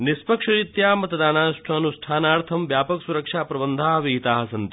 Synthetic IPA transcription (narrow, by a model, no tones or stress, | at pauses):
nispɐkʂɐɾit̪jaːmɐt̪ɐd̪aːnaːsʈʰɐːnusʈʰaːnaːɾt̪ʰɐmʋjaːpɐksuɾɐkʂaːpɾɐbɐnd̪ʱaːɦɐʋiɦit̪aːɦɐsɐnt̪i